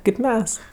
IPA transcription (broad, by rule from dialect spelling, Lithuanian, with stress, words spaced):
kʲeːp ˈmʲɛs